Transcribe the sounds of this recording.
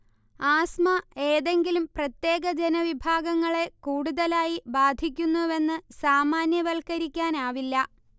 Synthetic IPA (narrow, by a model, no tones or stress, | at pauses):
aːsmɐeːðe̞ŋɡilumprɐt̪je̞ːɡɐd͡ʑenɐʋibʱaːɡɐŋːɐɭe̞kuːɽuðɐlaːjibaːd̪ʱik̬ʲːunːuʋe̞nːɨsaːmaːnjɐʋɐlkɐɾikʲːaːnaːʋilːɐ